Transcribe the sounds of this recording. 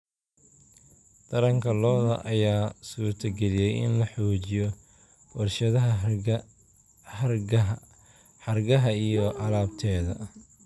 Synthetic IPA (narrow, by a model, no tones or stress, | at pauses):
t̪ʰɐɾɐŋkʰɐlɔːðɐ̰ʔɐjaːsuːrt̪ʰɐɡɛlɪjɛjɪ̰nlɐħɔːt͡ʃɪjɔ | bʊrʃɐðɐɦɐ | ħɑrɡɐɦɐijɔʔɐlaːbt̪ʰɛːðɐ̰